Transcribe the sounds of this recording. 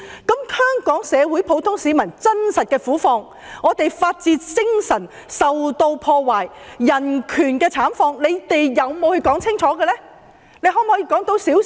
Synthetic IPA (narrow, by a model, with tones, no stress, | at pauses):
kɐ˨˥mhœː˥ŋkɔː˨˥ŋsɛː˨˧wu˨˥jpʰo˨˥wt̪ʰʊ˥ŋsiː˨˧mɐ˨˩nt͡sɐ˥nsɐ˨t̚kɛː˧fuː˨˥fɔː˧ŋ | ʔɔː˨˧t̪e˨jfaː˧t̚t͡siː˧t͡sɪ˥ŋsɐ˨˩n | sɐ˨wt̪o˧wpʰɔː˧waː˨˩jː | ɐ˨˩nkʰyː˨˩nkɛː˧t͡sʰaː˨˥mfɔː˧ŋle˨˧jt̪e˨jjɐ˨˧wmo˨˧whɵ˧ɥkɔː˨˥ŋt͡sʰɪ˥ŋt͡ʃʰɔː˨˥ɡɛː˧lɛː˥ | ne˨˧jɦɔː˨˥mhɔː˨˥jiː˧kɔː˨˥ŋt̪o˧wsiː˨˥w